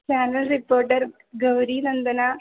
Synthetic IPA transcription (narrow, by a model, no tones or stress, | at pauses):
t͡ʃaːnɐlɾipoːɾʈəɾ | ɡɐʋɾiːnɐnd̪ɐna